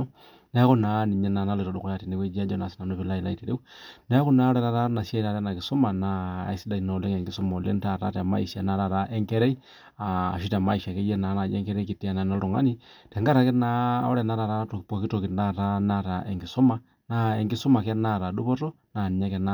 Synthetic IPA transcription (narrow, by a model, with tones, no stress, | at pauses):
nɛ˦ku˦na˦ni˨ɲɛ˦na˨na˦le˨ɾo˨˦du˨ko˦ja˨ti˨ne˦we˦d͡ʒi˦a˦d͡ʒɔ˦na˨si˦na˨no˦pi˨la˦i˨la̰˦i˨ti˨ɾe˦u˦nɛ˦ku˦na˨˦ɾɛ˨ɾa˦ta˦na˨sja˦i˦ta˨ɾɛ˦na˨ki˨so˦ma˨na̰˦˨i˦si˦da˨i˨na˨le˦ŋɛ˨ŋɡi˦su˦mɔ˨le˦nta˦˨ɾa˦tɛ˨ma̰˦i˨ʃa˨na˨ɾa˨ɾa˦ʔe˦ŋkɛ˦ɾɛ˦i˦ | a˨ʃi˦ta˨ma˦i˨ʃa˨ke˦jɛ˦na˨˦na˨d͡ʒɛ˦ŋkɛ˦ɾe˦ki˨ti˦a˨na˨na˦lo˨ŋa̰˦nitɛ˨ŋɡa˦ɾa˨˦kɛ˦na˦o̰˦ɾɛ˨na˦ɾa˨ɾa˦to˨po˨ki˦to˨ki˨na˦ta˦na˦ta˨ʔe˨ŋɡi˨so˦ma˨ | na˦e˨ŋɡi˦so˦ma˨kɛ˦na˦˨ɾa˨ɗu˦pɔ˦tɔ˦ | na˨ni˨ɲa˦kɛ˦na